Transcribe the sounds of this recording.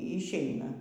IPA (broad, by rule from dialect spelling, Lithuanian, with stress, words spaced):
ɪʃʲˈɛɪnɐ